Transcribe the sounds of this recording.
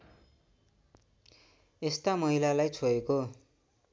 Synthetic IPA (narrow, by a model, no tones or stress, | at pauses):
est̪amʌɦilalajt͡sʰoeko